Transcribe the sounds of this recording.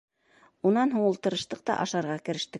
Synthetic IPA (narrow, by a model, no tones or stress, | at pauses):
unɑnɦuɴulˠt̪ɤ̆ɾɤ̆ʃt̪ɤq̚t̪ɑ̰ʔɑʃɑɾʁɑkɘ̆ɾɘ̆ʃt̪ɘ